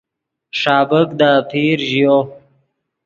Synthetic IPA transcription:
ʂaːbəkd̪ap̪ʰiːɾʒjo

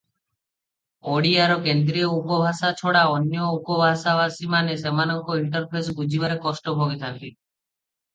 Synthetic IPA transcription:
oɽiaɾɔkend̪ɾioupɔbʱasat͡ʃʰoɽaɔnjɔupɔbʱasabasimanesemanɔŋkɔɦiʈɔɾpʰes̬bud͡ʑibaɾekɔsʈɔbʱɔɡet̪ʰant̪i

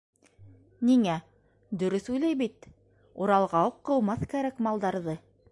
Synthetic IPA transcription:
niŋæ | d̪ɵ̆ɾɵθujlæjβit̪ | uɾɑlˠʁɑuqːɤ̆w̪ˠmɑθkæɾækmɑlˠd̪ɑɾðɤ

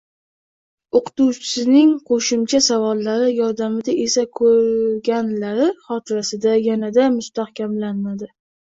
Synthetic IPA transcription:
oqʰɨ̥t̪uwt͡ʃʰɪ̥sɪnɪŋqʰoʃɪmt͡ʃʰasavɒlːaɾɪjɒɾd̪amɪd̪aʔe̞sakʰɵɾɡʲanlaɾɪχɒt̪ʰɪɾasɪd̪ajanad̪amʊst̪ahkʲʰamlanmad̪ɪ

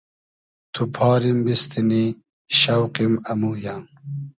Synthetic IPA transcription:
t̪ʰupʰaːɾimbist̪ini | ɕɐwqimɐmujaŋ

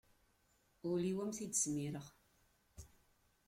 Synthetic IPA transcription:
ʊliwæmθid̪əsmiɾəʁ

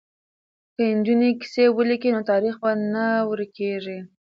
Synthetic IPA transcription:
kəɪnd͡ʒuneki̥sewəlikinot̪ɑɾixbanawəɾkeʐi

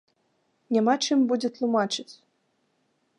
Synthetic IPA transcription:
nʲamat͡ʂɨmbud͡zʲɛt̪lˠumat͡ʂɨt͡sʲ

